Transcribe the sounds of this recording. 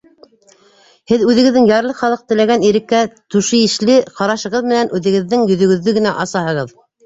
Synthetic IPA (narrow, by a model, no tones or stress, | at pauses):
hɘðʉðɘ̆ɡɘ̆ðɘŋjɑɾlˠɤχɑlˠɤq̚t̪ɘ̆læɡæniɾɘ̆kːæt̪ʉʃɘɘ̆ʃlɘqɑɾɑʃɤ̆ʁɤðmɘ̆nænʔʉðɘ̆ɡɘ̆ðːɘŋjɵ̆ðɵ̆ɡɵ̆ðːɵɡɘ̆næʔɑsɑhɤ̆ʁɤð